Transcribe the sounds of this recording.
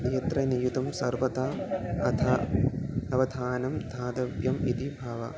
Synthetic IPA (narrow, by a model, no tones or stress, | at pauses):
nijɐt̪ɾɐnijut̪ɐmsɐɾʋɐt̪aːɐt̪ʰɐ | ɐʋɐd̪ʱaːnɐmd̪ʱaːd̪ɐʋjɐmit̪ibʱaːʋɐ̰